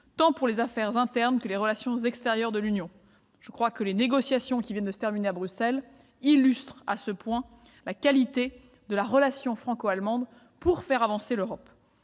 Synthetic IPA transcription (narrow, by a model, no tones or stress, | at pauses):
t̪ɑ̃puʁlezafɛʁzɛ̃t̪ɛʁnkəleʁəlasjɔ̃zɛkst̪eʁjœʁd̪əlynjɔ̃ | ʒ̥əkχwakəleneɡɔsjasjɔ̃kʲivjɛnd̪əsə̥t̪ɛʁmineabʁysɛl | ilyst̪χa̰səpwɛ̃ | lakalit̪e | d̪əlaʁəlasjɔ̃fχɑ̃koalmɑ̃d̪ | puʁfɛʁavɑ̃seløʁɔp